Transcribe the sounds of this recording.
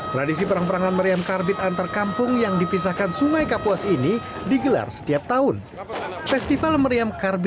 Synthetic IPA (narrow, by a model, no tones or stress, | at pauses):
t̪ɾadis̬ipəɾaŋpəɾaŋanməɾiamkarbɪt̪̚ant̪arkampʊŋjaŋdipis̬ahkansuŋajkapuasini | diɡəla̰rsə̥t̪iap̚t̪aɦʊn | fɛst̪ifalməɾiamkarb